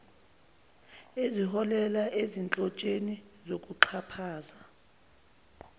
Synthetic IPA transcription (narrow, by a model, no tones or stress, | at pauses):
ezihɔlɛlaʔezint͡ɬʼɔt͡ʃʼenizokʼuǃʰapʰaːza